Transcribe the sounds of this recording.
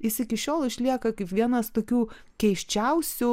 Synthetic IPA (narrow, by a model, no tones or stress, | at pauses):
ɪsɪkʲɪʃʲoːlˠɪʃʲlʲiɛkɐkɐɪpʋʲiɛnɐst̪oːkʲuː | kʲɛɪʃʲt͡ʃʲɛʊsʲʊ